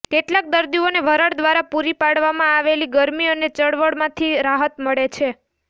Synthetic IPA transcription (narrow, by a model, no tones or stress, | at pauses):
keʈlak̚d̪əɾd̪ioneʋʱəɾəɽd̪ʋaɾapuɾipaɽʋamãaʋeliɡəɾmiənet͡ʃəɽʋəɽmãt̪ʰiɾaɦət̪məɭet͡ʃʰe